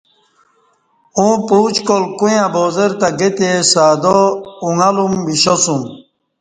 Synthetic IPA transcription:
ũpuːt͡ɕkolkujãboːzeɾt̪aɡet̪esaːd̪ouŋalumbiɕosũm

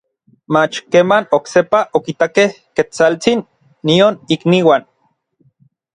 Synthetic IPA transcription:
mat͡ʃkeːmanoksepaʔokit̪akeh | ket͡salt͡sinː | ionikniwan

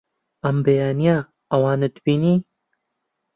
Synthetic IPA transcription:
ɐmbejaːnija | ɐwaːnɨd̪biːniː

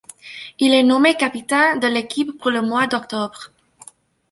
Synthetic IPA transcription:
ilɛnɔmekapit̪ɛ̃d̪əlekʰipːuʁləmwad̪ɔkt̪ɔbʁ

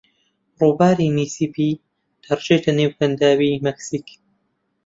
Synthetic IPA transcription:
ruːbaːɾimiːsiːpʰiː | t̪ʰɐrʒet̪ʰɐnewpʰɐnd̪aːwimɛksik

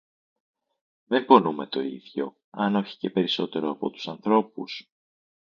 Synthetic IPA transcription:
ðempo̞nume̞t̪o̞ḭðʝo̞̰ | ɐno̞çi̥ce̞pe̞ɾiso̞t̪e̞ɾoɐpo̞̰t̪u̥sɐnθɾo̞pṵs

